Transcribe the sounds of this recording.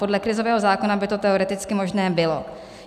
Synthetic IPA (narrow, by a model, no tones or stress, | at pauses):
po̞dlɛkɾɪzovɛːɦo̞zaːko̞nabɪt̪o̞t̪ɛoɾɛt̪ɪt͡skɪmo̞ʒnɛːbɪlo